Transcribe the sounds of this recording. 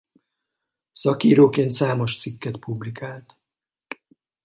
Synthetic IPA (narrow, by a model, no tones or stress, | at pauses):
sɒkiːɾoːkeːnt̪saːmo̞ʃt̪sikːɛt̪publikaːlt̪